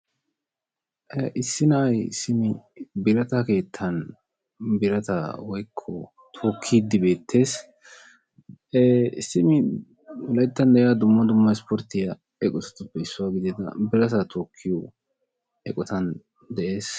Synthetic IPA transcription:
ʔʔɪsːɪnɐʔɐjsɪmɪbɪɾɐt̪ɐke̞ːt̪ʰːɐn | bɪɾɐt̪ɐwɔjkʰːɔ | t̪ʰoːkʰːiːd̪ːɪbe̞ːt̪ʰːe̞ːs | sɪmɪ | lɐjt̪ːɐnd̪ɛʔɪjaːd̪ʊmːɐd̪ʊmːɐspɔɾt̪ːɪjɐ | ɛkʼɔtɐ̥t̪ːʊpːɛɪsːʊwaːɡɪd̪ɛd̪ɐ̰bɪɾɐt̪ɐt̪ʰoːkʰːɪju | ɛkʼɔt̪ɐn | d̪ɛʔe̞ːs

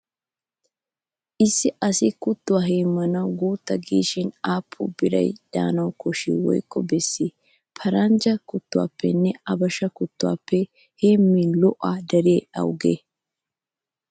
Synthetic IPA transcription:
ʔɪsːɪʔɐsɪkʊt̪ːʊwaːɦeːmːɐnɐwɡuːt̪ːɐɡiːʃɪnaːpʰːʊ̰bɪɾɐ̰jd̪̥a̰ːnɐwkɔʃḭwɔ̰jkːɔbɛsːɪ | pʰɐɾɐnd͡ʒɐkʊt̪ːʊwa̰ːpːɛnːɛɐbɐʃɐkʊt̪ːʊwa̰ːpːɛ | heːmːilɔʔad̪ɐɾɪjeɐ̰wɡḛː

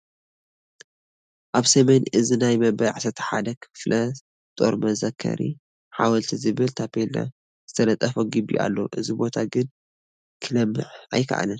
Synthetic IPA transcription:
ʔaβsɐmenʔɨzinajmɐbɐjʕasɐt̪ʰħad̪ɐkʰflʔɐs | t̪ʼo̞̰ɾmɐzɐkʰːɐ̰ɾʔḭ | ħawɐlt̪ʰizɨβɨlt̪ʰapʰelna̰ | z̥ɨt̪ʰɐlɐt̪ʼːɐfoɡɨbḭʔa̰lːo̰ʔɨzibo̞t̪ʰaɡɨn | kʰɨlɐmːɨ̰ʕa̰jkʰɐ̰ʔa̰lɨn

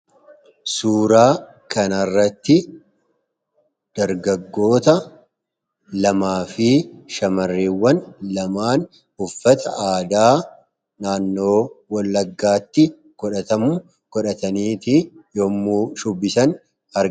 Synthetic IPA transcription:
suːɾaː | kɐnɐrːɐt̪ːɪ | d̪̥ɐɾɡɐɡːo̞ːt̪ɐ | lɐmaːfɪʃɐmɐrːiːwːɐnlɐmaːn | hʊfːɐt̪ɐʔaːd̪aː | naːnːo̞ːwɐlːɐɡːaːt̪ːɪ | kɔᶑɐt̪ɐmʊ | kɔᶑɐt̪ɐniːt̪ijoːmːuːʃʊbːɪsɐn | hɐɾ

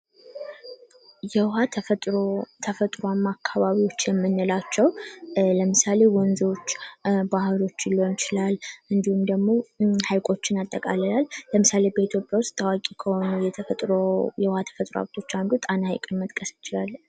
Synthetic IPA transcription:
jɛhat̪ʰt̪ʼɾot̪ʰəfət̪ʼɾoamːakʰːaβaβiwo̞t͡ʃːjɛmːɨnːɨlat͡ʃːɛwləmɨsale̞wɔnzot͡ʃːbahɨlo̞t͡ʃːɪlːont͡ʃɪlalʔɨnd̪ihumd̪əɡmo̞hajkʼo̞t͡ʃːɪnat̪ʼːəkʼaləlalləmɨsale̞bəit̪ʰjo̞pʼjawʊst̪ʰːawakʼikʰəho̞nəjɛt̪ʰət̪ʼɾojɛwhat̪ʰə̥fət̪ʼɾoa̰βt̪ʰo̞t͡ʃːand̪ut̪ʼanaha̰jkʼɨnmət̪ʼkʼəst͡ʃɪlalː

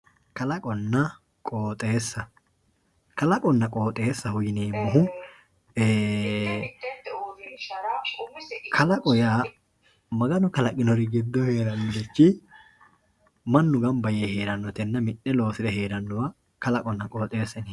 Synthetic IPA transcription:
kɐlɐkʼɔnːɐ | kʼoːt̪ʼeːsːɐ | kɐlɐkʼɔnːɐkʼo̞ːt̪ʼeːsːɐhʊjɪneːmːɔɦʊ | eː | kʰɐlɐkʼɔjaː | mɐɡɐnɔkɐlɐkʼɪnɔɾɪɡɪd̪ːɔheːɾɐnːʊdɛt͡ʃːɪ | mɐnːʊɡɐmbɐjɛheːɾɐnːɔt̪ɛnːɐmɪʔːɛlo̞ːsɪd̪ɛhe̞ːɾɐnːɔwa | kɐlɐkʼɔnːɐkʼo̞ːt̪ʼe̞ːsːɐni

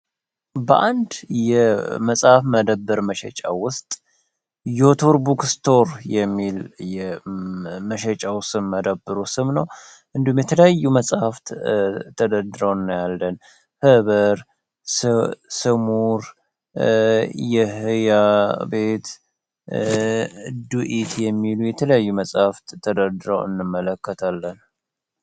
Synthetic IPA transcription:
bə̰ʔand̪jɛməsʼhafməd̪əbːəɾməʃɛt͡ʃʼa̰wʊst̪ʼ | jot̪ʰoɾbukst̪ʰo̞ɾjɛmːiljɛ | məʃɛt͡ʃʼawsɨmːəd̪əbːɨɾusɨmnəw | ʔɨnd̪humjɛt̪ʰələjajːuməsʼhaft̪t̪ʰəd̪əd̪ɾəwnːjalːən | hɨβəɾ | ssɨmuɾ | jɛhɨjabe̞t̪ | d̪uʔit̪jɛmːilujɛt̪ʰələjajːuməsʼhaft̪t̪ʰəd̪əɾd̪ɾə̰wɨ̰nːɨmːələkːət̪ʰalːən

